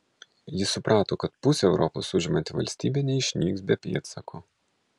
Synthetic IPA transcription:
jɪsʊpɾʔɑːt̪oːkɐt̪pʊsʲɛɛʊɾʔɔpo̰sʊʒʲɪmɐnʲt̪ʲɪʋɐ̰lʲsʲt̪ʲiːbʲɛnʲɛɪʃʲnʲiːksbʲɛpʲḭːt̪sɐkʰoː

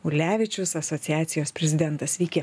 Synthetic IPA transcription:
ʊlʲæːʋʲɪt͡ʃʲʊsɐsɔt̪sʲɪjæːt̪sʲɪjoːspʲɾʲɛzʲɪd̪ʲɛnt̪ɐsʋʲiːkʲɛ

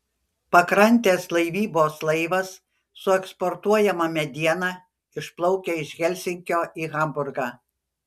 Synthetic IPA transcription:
pɐkɾɐnʲt̪ʲeːslˠɐɪʋʲiːboːslˠɐɪʋɐsː | ʊɛkspɔɾt̪uɔjɛmɐmʲɛd̪ʲiɛnɑ | ɪʃplˠɔʊkʲeɪʃɣʲɛlʲsʲɪŋʲkʲoːiːɣɐmbʊɾɡɑː

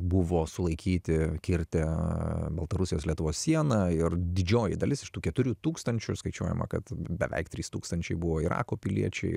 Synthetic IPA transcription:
bʊʋoːsʊlˠɐɪkʲiːt̪ʲɪkʲɪɾʲt̪ʲɛbɐlˠt̪ɐɾʊsʲɪjoːslʲiɛt̪ʊʋoːssʲiɛnɐɪrd̪ʲɪd͡ʒʲoːjɪd̪ɐlʲɪsɪʃt̪uːkʲɛt̪ʊɾʲuːt̪uːkst̪ɐnʲt͡ʃʲʊskɐɪt͡ʃʲuɔjɛ̰mɐ̰kɐt̪bʲɛʋʲɛ̰ɪkt̪ʲɾʲiːst̪uːkst̪ɐnʲt͡ʃʲɛɪbʊʋoːiɾɑ̰ːkoːpʲɪlʲḭɛt͡ʃʲɛ̰ɪ

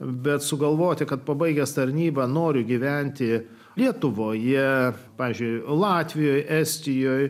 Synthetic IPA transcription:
bʲɛt̪sʊɡɐlˠʋoːt̪ʲɪkɐt̪̚pɐbɐɪɡʲɛst̪ɐɾʲnʲiːbɐnoːɾʲʊɡʲiʋʲɛnʲt̪ʲɪ | lʲiɛt̪ʊʋoːjɛpɑːʋʲizʲd͡ʒʲʊɪjlˠɑːt̪ʲʋʲɪjoːjʔɛsʲt̪ʲɪjoːj

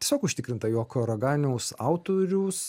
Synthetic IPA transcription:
iɛsʲoːkʊʃʲt̪ʲɪkɾʲɪnt̪ɐjoːkoɾɐɡɑːnʲɛʊsɑˑʊt̪oːɾʲuːs

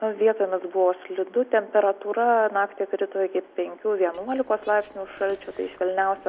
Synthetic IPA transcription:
ɐʋʲiɛt̪oːjmʲɪsbʊʋoːsʲlʲɪd̪ʊt̪ʲɛmʲpʲɛɾɐt̪uːɾɐnɑːkt̪ʲikɾʲɪt̪oːɪkʲɪpʲɛŋʲkʲuːʋʲiɛnuɔlʲɪkoːslˠɑɪpʲsʲnʲuːʃɐlʲt͡ʃʲuːt̪ɐɪɪʃʋʲɛlʲnʲɛʊsʲɛ

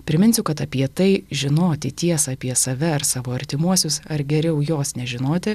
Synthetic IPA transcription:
pʲɾʲɪmʲɪnʲsʲʊkɐt̪ɐpʲiɛt̪ɐɪʒʲɪnoːt̪ʲɪt̪ʲiɛsɐːpʲiɛsɐʋʲɛɐɾsɑːʋoːɐɾʲt̪ʲɪmuɔsʲʊsɐɾɡʲɛɾʲɛʊjoːsnʲɛʒʲɪnoːt̪ʲɪ

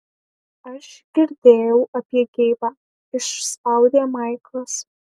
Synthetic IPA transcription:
ɐʃɡ̥ʲɪɾd̪ʲeːjɛwɐpʲjɛɡʲejbaː | ɪʂsawd̪ʲeːmajklˠɐs

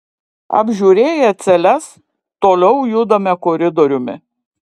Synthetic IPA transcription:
ɐ̰bʲʒʲuːɾʲeːjɛt̪sʲɛlʲɛs | t̪oːlʲɛʊjʊd̪ɐmʲɛkoːɾʲɪd̪ɔɾʲʊmʲɪ̰

